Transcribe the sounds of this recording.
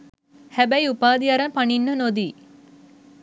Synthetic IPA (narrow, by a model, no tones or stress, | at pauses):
hæbɛjupaːd̪iaɾɐpaninːənod̪iː